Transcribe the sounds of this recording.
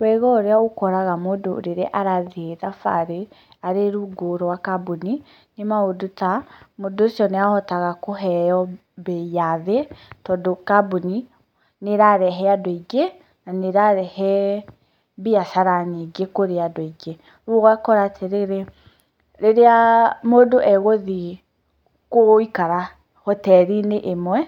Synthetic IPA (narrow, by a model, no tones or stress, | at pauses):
wɛɣɔɾeaokɔɾaɣamodo̰ɾeɾeʔaɾaðeðafa̰ɾe | aɾeɾuɡoɾɔwakabuni | nemaodotamodosɔneahɔtaɣakoɦɛjɔ | beaðetɔdokabuni | neɾaɾɛɦɛadoiɡe | naneɾaɾɛhɛ | beasaɾaneɡekoɾeadoeɡe | ɾuɣakɔɾaːtʰeɾeɾe | ɾeɾeamodoʔɛɣoði | koikaɾa | hɔtɛɾineʔemwɛ